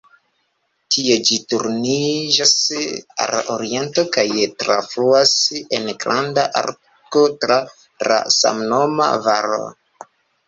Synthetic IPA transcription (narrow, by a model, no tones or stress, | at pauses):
tʰie̞d͡ʒituɾnid͡ʒasa̰loɾie̞nto̞kajtɾafɾuase̞nɡɾandaʔa̰ɾ | ko̞tɾa | la̰sa̰mno̞ma̰vaɾo̰